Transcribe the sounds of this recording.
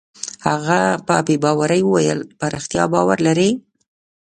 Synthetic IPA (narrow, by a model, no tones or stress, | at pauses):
haɣapəpebɑwaɾəjwəwajəlpaɾaxt̪jɑ̰bɑwaɾlaɾe